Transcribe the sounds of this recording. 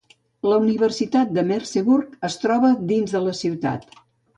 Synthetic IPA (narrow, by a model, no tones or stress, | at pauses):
ləuniβərsit̪at̪̚d̪əmɛɾseβurkəst̪ɾɔβəd̪inzðələsiwt̪a̰t̪